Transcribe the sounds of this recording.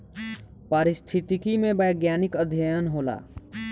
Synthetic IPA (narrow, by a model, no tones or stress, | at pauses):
paːɾɪst̪ʰɪt̪ikimẽbəjɡjaːnɪkəd̪ʱjajənɦoːla̰ː